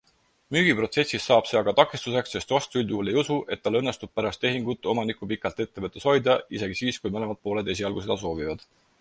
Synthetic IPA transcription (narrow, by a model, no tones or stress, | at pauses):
myːɡ̥ipro̞t̪se̞sisːɑːb̥seɑkɑt̪ɑkːˑist̪use̞ksːe̞st̪vɑst̪uylʲd̪uːle̞jusuʔe̞t̪̚ːɑlːɤnːest̪ub̥̚pæɾɑst̪e̞ɦiŋɡut̪ːˑo̞mɑnikˑupikːˑɑlt̪ˑe̞t̪ːe̞vɤt̪ːˑe̞sho̞jd̪ɑise̞ɡ̥isiːskujmɤnemɑd̪̚po̞ːle̞d̪e̞siɑlɡ̥use̞d̪̥ɑs̬o̞ːvivɑd̪̥